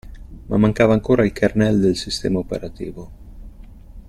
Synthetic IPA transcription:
ma̰mːaŋkaːvaːŋkoːɾailkʰarnɛld̪elsist̪ɛ̰ːmaopḛɾat̪ḭːvo

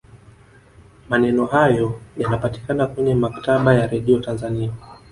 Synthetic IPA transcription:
manɛnɔhajɔjanapati̥kanakwɛɲɛmaktaɓajaɾɛɗiɔtanzania

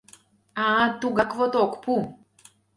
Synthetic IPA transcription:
at̪uɡakvot̪okpu

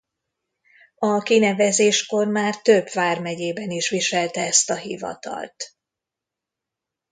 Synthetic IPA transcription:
ɒkinɛvɛzeːʃko̞rmaːrt̪øbvaːrmɛɟeːbɛniʃʋiʃɛlt̪ɛɛst̪ɒɦḭvɒ̰t̪ɒ̰lt̪

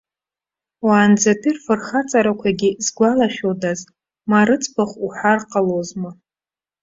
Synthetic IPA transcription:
waːnd͡zatʰirfɨrχat͡sʼaɾakʷʰaɡʲizɡʷalaχʲodaz | maɾɨt͡sʼpʰaχʷuħarqʼalozmɨ

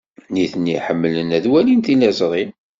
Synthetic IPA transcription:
niθənːiħəmːələnæðwælint̪ilæzˤɾˤin

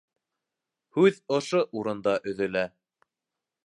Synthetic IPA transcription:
hʉðŏʃoʔuɾɤ̆nd̪ɑʔɵ̆ðɘ̆læ

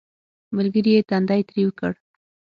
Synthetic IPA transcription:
məlɡəɾijet̪and̪ajt̪ɾiwəkəɽ

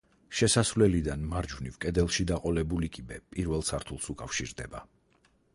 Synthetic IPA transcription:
ʃɛsasvlɛlid̪anmaɾd͡ʒvnivkʼɛd̪ɛlˠʃid̪aqʼɔlɛbulikʼibɛpʼiɾvɛlˠsaɾt̪ʰulˠsukʼafʃiɾd̪ɛba

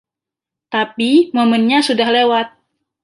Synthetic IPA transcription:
t̪apimomɛnɲasudahlewat̪̚

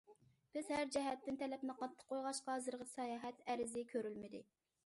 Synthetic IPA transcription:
b̥ɪz̥hæɾd͡ʒɛɦɛt̪ːɪnt̪ʰɛlɛpnɪqɑt̪ʰːə̥qʰːojʁɑʃqɑzɨɾʁəsɑjɑɦɛt̪æɾɪzɪkʲʰøɾylmɪd̪ɪ

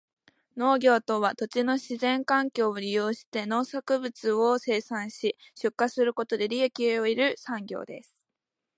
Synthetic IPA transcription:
no̞ːɡʲo̞ːt̪o̞βat̪o̞t͡ɕino̞ɕizẽ̞ŋkãŋkʲo̞ːoɾʲijo̞ːɕi̥t̪e̞no̞ːsakɯ̟bɯ̟t͡sɨo̞se̞ːsãɰ̃ɕiɕɨkːasɨɾɯ̟ko̞t̪o̞d̪e̞ɾʲiekʲieoiɾɯ̟sãŋɡʲo̞̰ːd̪e̞̰sɨ̥

